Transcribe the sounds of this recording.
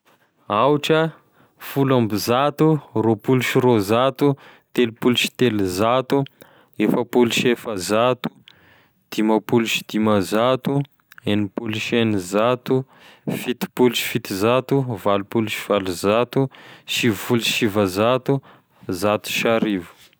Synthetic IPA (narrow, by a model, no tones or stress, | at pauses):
awʈ͡ʂə | fulambizat̪uropuluʃiɾozat̪u | t̪elipuluʃi̥t̪elizat̪u | efəpuluʃefəzat̪u̥ | d̪̥imapuluʃi̥d̪̥imazat̪u | enipuluʃenizat̪u | fit̪i̥puluʃi̥fit̪izat̪uvalupuluʃiv̥aluzat̪uʃivuluʃivazat̪u | zat̪u̥ʃaɾivu̥